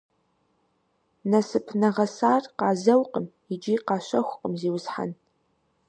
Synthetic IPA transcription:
nɐsɨpʰnɐʁɐsaːrqɑːzɐwqʼəm | id͡ʒiːqɑːɕɐxʷqʼəmziːwʊzħa̰n

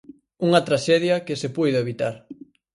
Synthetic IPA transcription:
uŋɐt̪ɾaʃɛðjɐkɪsepɔjðeeβit̪aɾ

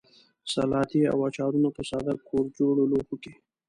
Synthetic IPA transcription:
salɑːt̪ia̰wat͡ʃɑɾunapəsɑd̪akʰoɾd͡ʒoɽoloxoke

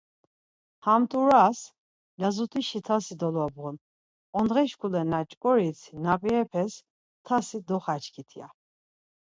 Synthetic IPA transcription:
hamt̪ʼuɾas | lazut̪ʰʼiʃit̪ʰasid̪ɔlabʁɔn | ɔnd̪ʁɛʃkʰulɛnat͡ʃʼkʼɔɾit͡sʰinapʼiɛpʰɛs | t̪ʰasid̪ɔχat͡ʃʰkʰit̪ʰia̰

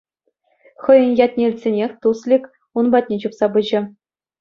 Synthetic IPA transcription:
χɤ̆jɤ̆njɑt̪ʲnʲelʲt̪ʲsʲenʲexʲt̪uslʲikʲ | unbɑt̪ʲnʲet͡ɕupsɑbɯʑɘ̆

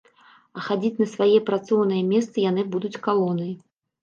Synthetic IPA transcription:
ɐxad͡zʲit͡sʲnɐsvajɛpɾat̪sɔwnɨjɛmʲɛst̪sɨjan̪ɨbud̪ut͡sʲkalˠɔnɨj

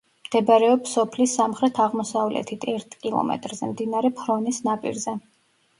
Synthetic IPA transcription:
md̪̥ɛbaɾɛɔpsɔpʰlisamχɾɛt̪ʰaʁmɔsavlɛ̰t̪ʰit̪ʰɛɾt̪ʰkʼilˠɔ̰mɛ̰t̪ʼɾzɛmd̪inaɾɛpʰɾɔnisnapʼḭɾzɛ

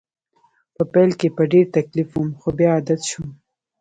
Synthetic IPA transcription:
pəpɛlkepəɖeɾt̪aklifumxobjɑːd̪at̪ʃum

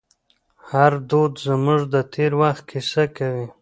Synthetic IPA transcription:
haɾd̪od̪zəmuʐd̪ət̪ʰeɾwaxt̪̚kʰisakawi

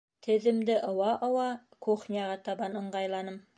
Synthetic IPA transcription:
t̪ʰɪ̆ðɪ̆md̪ɪʔŏwɑʔŏwɑ | kʰoχnʲijɑʁɑt̪ʰɑbɑnə̆ɴʁɑjlˠɑnəm

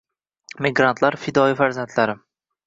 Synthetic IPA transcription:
mɪɡɾant̪ʰlaɾfɪd̪ɒɪfaɾzant̪ʰlaɾɪ

